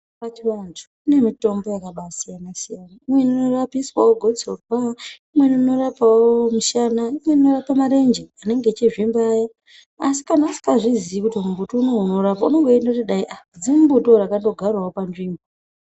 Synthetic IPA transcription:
pat͡ʃiwantʰu̥kune̞mito̞mbo̞jakaɓasijanasijanaimwe̞nino̞rapiswawoɡʱo̞d͡zorwaimwe̞niino̞ɾapawomuʃanaimwe̞ninorapamaɾe̞nd͡ʒeane̞ŋɡet͡ʃiʐimbaːja | asi̥kanausi̥kaʐizikutimumbutounounoɾapauno̞ŋɡo̞endakutiɗaiʔad͡zimumbutoɾakando̞ɡʱarwaopanʐiːmbo

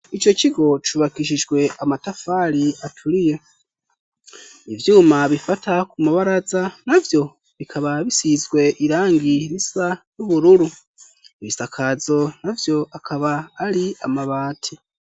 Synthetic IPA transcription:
it͡ʃo̞t͡ʃiɡo̞t͡ʃuβakiʃ̬iʒɡwe̞ʔamatafaɾiatʰuɾije | ivjuːmaβifatʰakumaβaɾazanavjo̞ | βikʰaβaβisizɡwe̞ʔiɾaːŋɡiɾisajuβuɾuɾu | βisakʰazo̞navjo̞ʔakʰaβaːɾiamaβaːtʰi

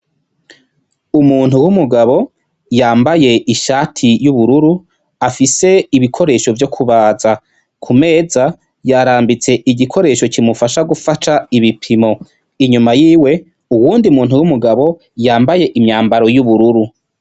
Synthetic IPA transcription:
umuːn̥huwumuɡaβo̞ | jaːmbaje̞ʔiʃaːtʰijuβuɾuɾu | afise̞iβikʰo̞ɾe̞ːʃo̞vjo̞kʰuβaːza | kʰume̞ːza | jaɾaːmbit͡se̞ʔiɟikʰo̞ɾe̞ːʃo̞cimufaʃaɡufataiβipʰimo̞ | iɲumajiːwe̞ | uwuːndiumuːnhuwumuɡaβo̞ | jaːmbaje̞ʔimɲaːmbaɾo̞juβuɾuɾu

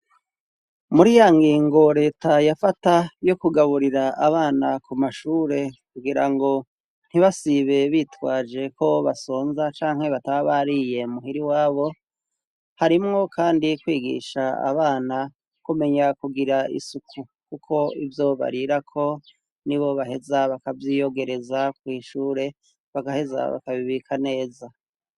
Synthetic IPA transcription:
muɾijaŋɡiːŋɡo̞ɾe̞ːtajafatajo̞kuɡaβuɾiɾaaβaːnakumaʃuːɾe̞kuɡiɾaŋɡo̞ | n̥hiβasiβe̞βitwaːd͡ʒe̞kʰo̞βaso̞ːnzat͡ʃaːŋhe̞βataβaβaɾije̞muɦiɾiwaːβo̞ | haɾimŋo̞kʰaːndikwiːɡḭʃaa̰βaːna | kume̞ɲakuɡiɾaḭsukʰu | kukʰo̞ivjoβa̰ɾiɾakʰo̞ | niβo̞βaɦe̞zaβakavjijo̞ɡe̞ɾe̞zakwiːʃuːɾe̞ | βaɡahe̞za̰βa̰kaβiβikʰane̞ːza

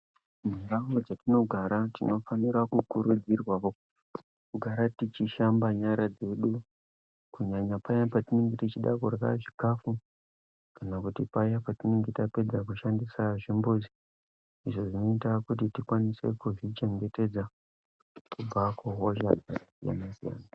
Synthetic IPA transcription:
miɡaɦod͡zatino̞ɡʱaɾatino̞faniɾakukuɾud͡zirwao | kuɡʱaɾatit͡ʃiʃambaɲaɾad͡ze̞ɗu | kuɲaɲapajapatineŋɡetit͡ʃiɗa̰kurwa̰ʐikafu | kanakutipaijapatineŋɡetape̞d͡zak̬uʃandisaʐimbuzi | iʐo̞ʐino̞itakutitikwanise̞̰kuʐit͡ʃe̞ŋɡe̞te̞d͡za | kub͡vakuɦoʒaɡʱaasija̰nasija̰ːna

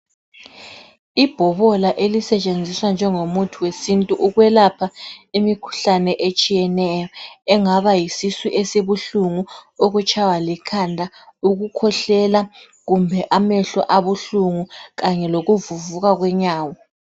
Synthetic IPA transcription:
ib̥ʱɔβɔlaʔelisɛt͡ʃʼend͡zʱiswand͡ʒʱɛŋomutʰuwesintʼuʔuɣwɛlapʰaimikʰu̥ɬanɛʔet͡ʃʼijɛnɛjɔɛŋaβajisiswiʔesiβuɬuŋuoɣut͡ʃʼawalikʰandʱauɣukʰɔɬɛla | ɣumbʱɛʔamɛɬɔ̰ʔaβuɬuŋuɣaɲɛloɣuvuvuɣaɣwɛɲaːwɔ

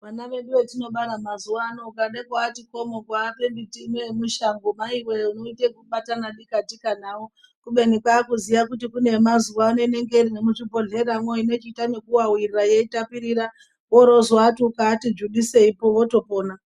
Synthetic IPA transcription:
ʋanaʋe̞ɗuʋe̞tino̞ɓaɾamazuwaːnoukaɗakwaːtiko̞mo̞kwaːpembitinemuʃaŋɡomaiweunoitekuɓatanaɗikatikanaːwo | kuɓe̞nikwakuzijakutikune̞mazuwaːnoine̞ŋɡe̞irinemut͡ʃibʱoɮe̞ɾamwoine̞t͡ʃitane̞kuwawiriraje̞itapiɾiɾa | oɾo̞zwatiukaːtid͡ʒuɗise̞ipo̞ʋo̞to̞po̞ːna

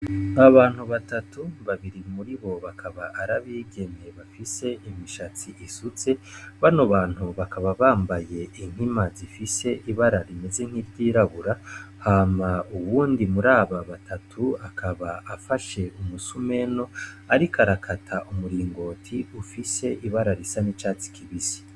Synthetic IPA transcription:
aβaːn̥huβatatuβaβiɾimuɾiβo̞βakʰaβaʔaɾaβiːɡe̞ne̞βafise̞ʔimiʃat͡siʔisut͡se̞βanoβaːn̥huβakaβaβaːmbaje̞ʔiŋ̥himazifise̞ʔiβaɾaɾime̞ze̞ŋ̥hivɟiːɾaβuɾahaːmauβuːndimuɾaːβaβatʰatʰuakʰaβaafaʃe̞umusume̞no̞ | aɾikʰaɾakʰatʰaʔumuɾiːŋɡo̞ːtʰiufise̞ʔiβaɾaɾisanit͡ʃaːt͡si̥kʰiβisi̥

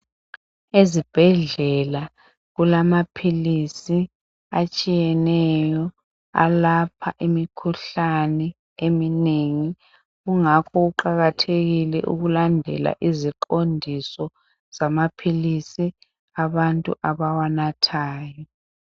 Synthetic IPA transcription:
ezib̥ʱɛɮɛla | ɣulamapʰilisi | at͡ʃʼijɛnɛjɔ | a̰lapʰaʔimikʰuɬanɛ | emineŋi | ɣuŋakʰɔɣuǃaɣatʰeɣilɛ̰ʔṵɣulandʱɛ̰la̰ʔiziǃondʱisɔ | z̥amapʰilisi | aβantʼṵʔaβawanatʰaːjɔ

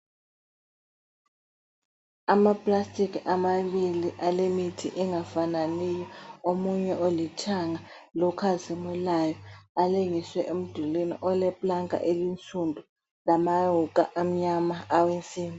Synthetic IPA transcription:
amapʼlastʼikiamaɓiliʔalemitʰḭʔɛŋafananijɔomuɲɛʔolitʰaŋa | lɔkʰazimulajɔaliŋiswɛʔem̩d̥ʱulinḭʔɔlɛpʼlaŋa̰ʔelint͡sʼundʱu | lamajukʼaʔam̩ɲamaːwent͡sʼiːmi

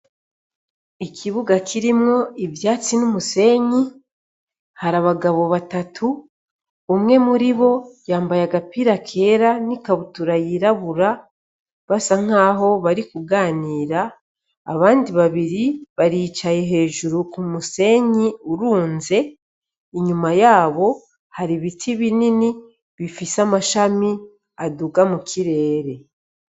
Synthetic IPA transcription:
ikʰiβuɡakʰiɾimŋo̞ivjaːt͡sinumuse̞ɲi | haɾaβaɡaβo̞βatatʰuː | mŋe̞muɾiβo̞jaːmbajaɡapiɾakʰe̞ːɾanikaβutuɾajiɾaβuɾa | βasaŋ̥aːɦo̞βaɾikuɡaːniːɾa̰ː | βaːndiβaβiɾiβaɾiːt͡ʃaje̞ɦe̞ːʒuɾukumuse̞ɲiuɾuːnze̞ | iɲumajaːβo̞ | haɾiβitʰiβinini | βifisamaʃami | aduɡamukʰiɾe̞ːɾe̞

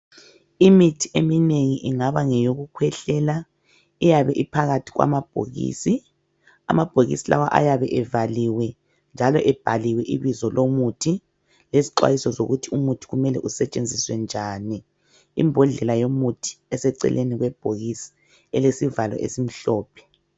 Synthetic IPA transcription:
imitʰi̥emineŋiʔiŋaβaŋɛjoɣukʰwɛɬɛla | ijaβɛʔipʰaɣatʰi̥ɣwa̰mab̥̚ʱo̰ɣḭːsi | a̰mab̥ʱoɣḭsila̰waʔa̰jaβɛʔɛvaliwɛ | nd͡ʒʱalɔʔɛb̥ʱaliwɛʔiβizɔlʔomutʰi | leziǃwa̰jisɔzoɣutʰiumutʰi̥ɣumɛlɛ̰ʔusɛt͡ʃʼend͡zʱiswɛnd͡ʒʱani | ḭmbʱɔɮɛlajomutʰi̥ɛsɛǀɛ̰lʔḛniɣwɛb̥ʱoɣisi̥ | ɛlesivalɔ̰ʔḛsim̩ɬɔːpʰɛ̥

